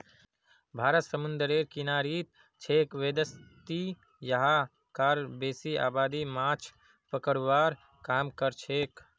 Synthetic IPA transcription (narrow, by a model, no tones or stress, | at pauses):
bʱaːɾət̪səmənd̪əɾeːɾkinaːɾit̪̚ | t͡ʃʰeːkʋed̪əst̪i | jəɦa | kaːɾbeːsia̰ːbaːd̪imaːt͡ʃʰ | pəkəɽʋaːɾ | kaːmkəɾt͡ʃʰeːk